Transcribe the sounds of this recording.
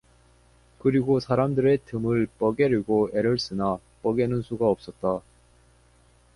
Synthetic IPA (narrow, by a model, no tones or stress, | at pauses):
kɯɾiɡosʰaɾamdɯɾe̞tɯmɯɭp͈ʌɡeɾiɡoe̞ɾɯɭs͈ɯna | p͈ʌɡenɯnsʰuɡaʌp̚s͈ʌt̚t͈a